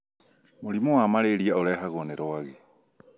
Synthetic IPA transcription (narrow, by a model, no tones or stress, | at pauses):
moɾimoamaɾeɾiaoɾɛɦaɣoneɾoaɣe